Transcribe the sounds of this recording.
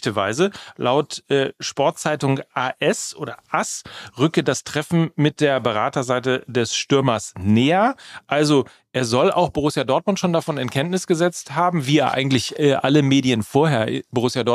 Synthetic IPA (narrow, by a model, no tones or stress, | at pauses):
təva̰ɪzəlʔaʊtʔɛːʃpɔɐt̚t͡saɪtʊŋʔaːʔɛsʔo̰ːɾɐʔasʁʏkədastʁ̥ɛfn̩mɪt̚d̥eːɐbəʁaːtɐzaɪtədɛsʃtʏɐmɐsnɛːɐʔalzo | ʔeːɐzɔla̰ʊxb̥oʁʊsjadɔɐt̚mʊntʃoːndafɔnɪnkʰɛntnɪsɡ̥əzɛt͡sthaːbm̩viːeːɐʔa̰ɪɡŋ̩tlɪçɛːʔaləmeːdiənfoːɐheːɐɪboʁʊsjadɔ